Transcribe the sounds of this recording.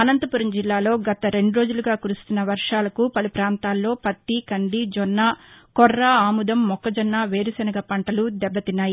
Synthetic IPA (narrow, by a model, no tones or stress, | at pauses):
ɐnɐnt̪ɐpuɾɐnd͡ʒilːaːlo̞ːɡɐt̪ɐɾe̞ɳɖuɾo̞ːd͡ʒuluɡaːkuɾust̪unːɐʋɐɾʂaːlɐkupɐlupɾaːnt̪aːlːo̞ːpɐt̪ːikɐɳɖid͡ʒɔnːaːkɔrːaːaːmud̪ɐmːɔkːɐd͡ʒɔnːaːʋeːɾusɐnɐɡɐpɐɳʈɐlud̪ɛbːɐt̪inːaːji